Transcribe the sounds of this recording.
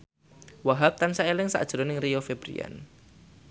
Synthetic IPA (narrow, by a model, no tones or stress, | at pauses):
waɦap̚t̪ansaelɪŋsa̰d̥ʒ̥ɾonɪŋrijofeb̥ɾḭa̰n